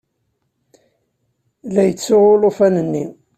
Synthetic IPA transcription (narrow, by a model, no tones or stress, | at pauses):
læjət͡sːʊʁʊlofænənːi